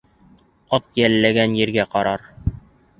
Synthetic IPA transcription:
ɒt̪̚jælːæɡænjɘ̆ɾɡæqɑɾɑɾ

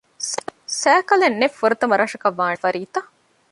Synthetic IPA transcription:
sæːkɐlenːefːuɾɐt̪ɐmɐɾaːʂɐkɐʋːaːfɐɾiːt̪ɐ

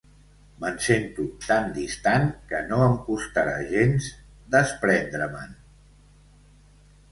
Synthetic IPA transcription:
mənsent̪ut̪and̪ist̪aŋkənoəmkust̪aɾa̰ʒenz | d̪əspɾɛnd̪ɾəmən

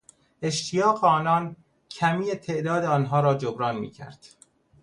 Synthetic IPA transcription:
e̞ʃt̪ʰijɒːɣeɒːnɒːn | cʰæmiːet̪ʰe̞ʔd̪ɒːd̪eɒːnɦɒːɾɒːd͡ʒobɾɒːnmḭːcʰæ̰ɾd̪̥

